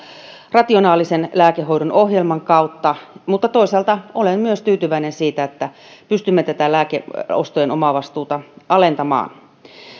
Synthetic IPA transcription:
rɑt̪ionɑːlisenlæːkeɦo̞ijɾonohjelmɑŋkɑut̪ːɑmut̪ːɑt̪oisɑlt̪ɑolemmyøst̪yːt̪yʋæinensiːt̪æet̪ːæ | pyst̪ymːet̪æt̪ælæːkeo̰st̪ojenomɑʋɑst̪uːt̪ɑɑlent̪ɑmɑ̰ːn

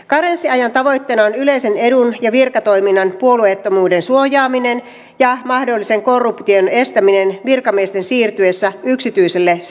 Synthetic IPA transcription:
kɑɾensːiɑjɑnt̪ɑʋo̞jt̪ːeːnɑonyle̞jse̞ne̞dunjɑʋirkɑt̪o̞jminːɑnpuo̞luet̪ːomuːde̞nsuojɑːmine̞n | jɑmɑhdo̞lːise̞ŋko̞rːupt̪io̞ne̞st̪æmine̞nʋirkɑmiest̪e̞nsiːrt̪yesːæyksit̪yise̞lːe

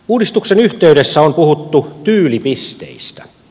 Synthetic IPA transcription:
uːdist̪uksenyht̪eydesːæompuhut̪ːut̪yːlipist̪ḛist̪æ̥

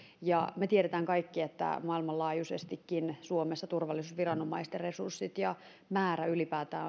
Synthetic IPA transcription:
jɑmet̪ieɾet̪æŋkɑikːiet̪ːæ̰mɑilmɑllɑːjusḛst̪ikːinsuomesːɑt̪urʋɑlːisuːsʋirɑnomɑist̪jɑresursːit̪jɑ | mæːɾæylipæːt̪æː

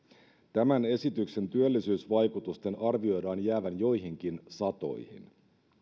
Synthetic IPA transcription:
t̪æmæne̞sit̪ykse̞nt̪yølːisyːsʋɑjkut̪ust̪e̞nɑrʋio̞jdɑːnjæːʋænjo̞jɦiŋk̟insɑt̪o̞̰jhḭn

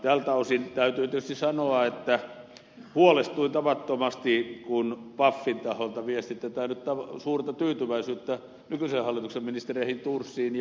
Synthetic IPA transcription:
t̪ælt̪ɑusint̪æyt̪yːt̪et̪yst̪issɑnoɑet̪ːæ | huolest̪ˑuint̪ɑʋɑt̪ːomɑst̪ikunpɑfːint̪ɑholt̪ɑʋiest̪it̪ːæt̪ænyt̪t̪ɑʋsuːrt̪ɑt̪yːt̪yʋæisyːt̪ːæ | nykysehhɑlːˑit̪uksemminist̪erieˑhint̪ursːiːnj

